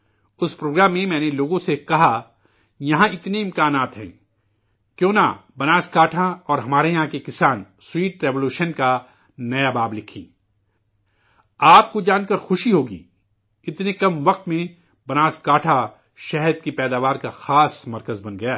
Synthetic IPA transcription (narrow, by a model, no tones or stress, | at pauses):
ʊspɾoːɡɾaːmːẽmɛ̃ːneloːɡõsekɐɦa | jɐɦãɪt̪neɪ̃mkaːnaːt̪ɦɛ̰̃ː | kjõːna̰bɐnaːskaːʈʰaɔːɾɦɐmaːɾejɐɦãkekɪsaːn | swiːʈɾeːʋoluːʃənka | nɐjabaːblɪkʰḭ̃ː | aːp̚kod͡ʒaːnkɐɾxʊʃiɦoːɡḭː | ɪt̪nekɐmʋɐq̚t̪mẽ | bɐnaːskaːʈʰa | ʃɛɦɾd̪̚kipɛːd̪aːʋaːɾkaxaːsmɐɾkəzbɐ̃nɡɐja